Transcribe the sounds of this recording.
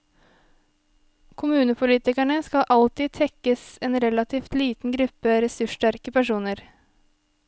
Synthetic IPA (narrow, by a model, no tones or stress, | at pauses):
kʰʊmʉːnəpʰʊliːt̪ɪkæɳəskɑʔɑlt̪iːt̪ʰɛkːəsɛnɾɛlɑt̪ʰiːft̪liːt̪n̩ɡɾʉpːəɾɛsʉʂʈæɾkəpæʂuːnəɾ